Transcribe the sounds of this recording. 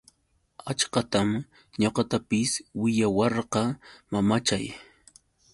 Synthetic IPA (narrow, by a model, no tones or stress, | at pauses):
at͡ʃqɑt̪am | ɲoqɑt̪apɪswɪʎawɑɾqɑmamat͡ʃaj